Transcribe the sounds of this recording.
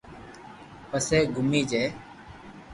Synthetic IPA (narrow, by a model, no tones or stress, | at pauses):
pəseːɡʊmiːd͡ʒeː